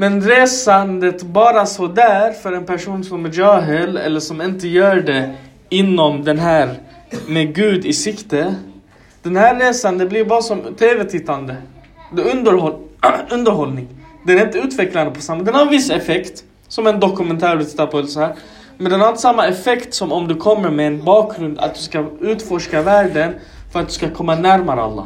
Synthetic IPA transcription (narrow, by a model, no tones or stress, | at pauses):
mɛnɾeːsand̪ət̪bɑːɾasɔd̪æːɾfœɾɛnpʰæʂuːnsɔmɛd͡ʒœːɦɛlɛ̰lːəʂɔmɪnt̪əjœːɖɛ | ɪnːɔmd̪ɛnɦæːɾmeɡʉ̟ːd̪ɪsɪkt̪ə | d̪̥ɛnhæɾeːsand̪əblɪɾbɑːɾasɔmt̪ʰeːvɛt̪ʰɪt̪ːand̪ə | d̪ɛɵnd̪əɾɔɵnd̪əɾɦɔlnɪŋd̪ɛæɾɪnt̪əʉ̟ːt̪vɛkland̪əpʰɔsamːad̪ɛnhaɾɛnvɪsɛfɛkt̪ | sɔmɛnd̪ɔkɵmɛnt̪ʰæːɾɪt̪ɪ̥t̪ːaɾpʰɔɛlsɔhæːɾ | mɛnd̪ɛhæaɾɪnt̪əsamːaɛfɛkt̪sɔmɔmd̪ɛkʰɔmːəɾmɛːnbɑːkɾɵnd̪a̰t̪̚d̪ɵskaʉ̟ːt̪fɔʂkavæːɖən | fœɾat̪̚d̪ɵskakʰɔmːanæɾmaɾəa̰lːɑ̰ː